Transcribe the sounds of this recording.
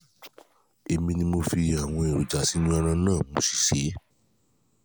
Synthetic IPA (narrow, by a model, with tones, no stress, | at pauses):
e˧mĩ˧nĩ˧mo˧fi˧a˨w̃ɔ̃˧e˨ɾu˨d͡ʒa˨si˨˦nũ˦ɔ˧ɾ̃ã˧nãː˦˨mo˧si̥˨ʃe˨˦